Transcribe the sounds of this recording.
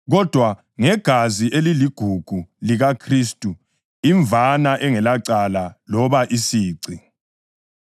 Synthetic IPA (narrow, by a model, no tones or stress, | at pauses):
ɣɔd̥ʱwa | ŋɛɡ̥ʱaziʔeliliɡ̥ʱuɡ̥ʱuliɣakʰristʼu | iɱvʱanaʔɛŋɛlaǀalalɔβaʔisiːǀi